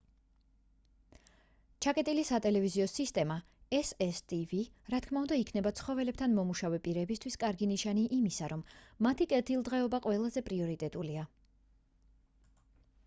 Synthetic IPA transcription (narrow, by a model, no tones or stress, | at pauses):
t͡ʃʰakʼɛt̪ʼilisat̪ʼɛlɛviziɔsist̪ʼɛma | ɛsɛst̪ʼiviɾat̪kʰmaund̪aikʰnɛbat̪sʰχɔvɛlɛp̚t̪ʰanmɔmuʃavɛpʼiɾɛbist̪ʰwiskʼaɾɡiniʃaniʔimisaɾɔmːat̪ʰikʼɛt̪ʰilˠd̪ʁɛɔbaqʼwɛlˠazɛpʼɾiɔɾit̪ʼɛt̪ʼulia